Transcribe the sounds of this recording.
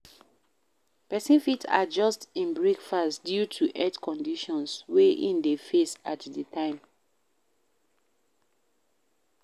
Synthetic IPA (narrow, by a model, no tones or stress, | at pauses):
pɛsĩnfita̰d͡ʒɔstĩnbɹekfasdjutʰuʔɛtkʰɔ̃ndiʃɔ̃nsweʔĩndefesatdətʰãɪ̃m